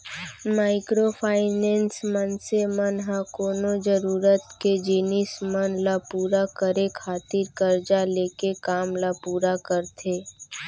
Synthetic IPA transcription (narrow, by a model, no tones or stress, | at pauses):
maːɪkɾopʰaːɪnɛ̃ːnsmənsemənɦãkoːnod͡ʒəɾuːɾət̪ked͡ʒiːnismənlapuːɾakəɾekʰaːt̪iɾkəɾd͡ʒaleːkekaːmlapuːɾakəɾt̪ʰeː